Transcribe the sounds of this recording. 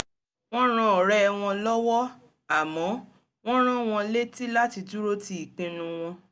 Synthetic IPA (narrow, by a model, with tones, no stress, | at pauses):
w̃ɔ̃˦ɾ̃ã˧ɔ˨ɾɛ˦˧w̃ɔ̃˧lɔ˦wɔ˦ | a˦˨mɔ̃˨˦ | w̃ɔ̃˦ɾ̃ã˦w̃ɔ̃˧le˦ti˦la˦ti˧tu˦ɾo˦ti˧˦i˨k͡pĩ˧nũ˧w̃ɔ̃˧